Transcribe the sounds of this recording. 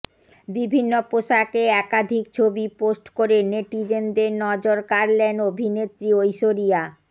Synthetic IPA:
bibʱinːopoʃakeɛkad̪ʱik̚t͡ɕʰobiposʈkoɾeneʈid͡ʑend̪eɾnɔd͡ʑoɾkaɾlenobʱinet̪ɾiojʃoɾia

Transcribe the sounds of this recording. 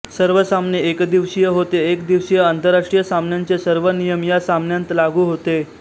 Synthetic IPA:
səɾʋəsamneekd̪iʋsijəɦot̪eekd̪iʋsijəant̪əɾaʂʈɾijəsamnjaɲt͡sesəɾʋənijəmjasamnjãnt̪laɡʱuːɦot̪e

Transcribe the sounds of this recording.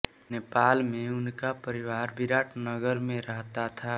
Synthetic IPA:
nepaːlmẽʊnkapəɾɪʋaːɾbɪɾaːʈʰnəɡəɾmẽɾəɦt̪at̪ʰa

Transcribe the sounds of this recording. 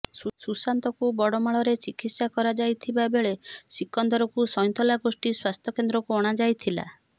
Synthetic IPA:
sususant̪ɔkubɔɽɔmaɭɔɾet͡ʃikit̪sakɔɾad͡ʒajt̪ʰibabeɭesikːɔnd̪ɔɾɔkusɔj̃nt̪ɔlaɡosʈiswast̪ʰɔkend̪ɾɔkuɔɽ̃ad͡ʒajt̪ʰila̰

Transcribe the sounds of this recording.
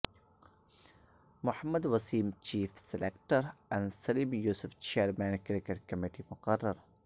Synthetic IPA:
mʊhəmːəd̪ʋɐsiːmt͡ʃiːfsɪlekʈəɾɛ̃ɳɖsɐliːmjuːsʊft͡ʃeːɾmæ̃ːnkɾɪkeʈ̚kɐmiʈimʊqərːəɾ

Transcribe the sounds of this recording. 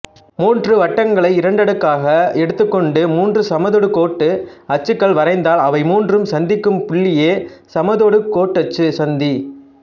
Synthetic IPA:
muːndrɯʋɐʈːɐŋɡɐɭɐɪɪɾɐɳɖɐɽɯkːaːɣɐɛɽɯt̪ːɯkːɔɳɖɯmuːndrɯsɐmɐðɔɽɯkoːʈːɯɐt͡ʃːɯkːɐɭʋɐɾɐɪnd̪aːlɐʋɐɪmuːndrɯmsɐnd̪ɪkːɯmpʊɭːɪjeːsɐmɐðoɽɯkoːʈːɐt͡ʃːɯsɐnd̪i

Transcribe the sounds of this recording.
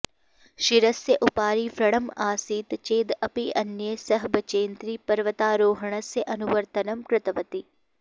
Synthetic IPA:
ʃɪɾɐsjəʔʊpaːɾiːfɾɐɽ̃əmaːsiːt̪t͡ʃeːd̪ɐpiʔɐnjəsɐɦbɐt͡ʃeːnt̪ɾiːpɐɾʋət̪aːɾoːɦəɳ̃əseʔɐnʊʋəɾt̪ɐnɐmkɾɪt̪ɐʋət̪i

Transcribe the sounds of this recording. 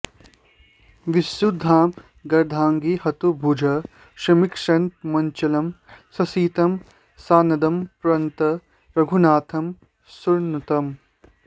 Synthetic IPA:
ʋisjud̪ʱːaːm | ɡɐɾd̪ʱaːŋɡihɐt̪ubʱud͡ʒʱɐ | ʃɾɐmikʂɐnt̪̚mɐɲt͡ʃɐlɐmsɐsiːt̪ɐm | saːnɐd̪ɐmpɾɐnt̪ɐ | ɾɐɡʱunaːt̪ʰɐm | suɾnut̪ɐm

